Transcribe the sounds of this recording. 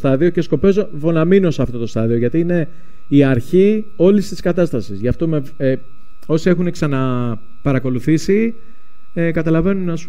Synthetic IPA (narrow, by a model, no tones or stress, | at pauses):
st̪ɐðio̞ce̞sko̞pe̞zovo̞nɐminosɐft̪o̞t̪o̞st̪ɐðio̞ʝɐt̪iine̞ | iɐɾçi | o̞list̪i̥skɐt̪ɐst̪ɐsizʝɐft̪o̞me | o̞sie̞xuneksɐnɐ | pɐɾɐko̞luθisi | kɐt̪ɐlɐve̞nunɐs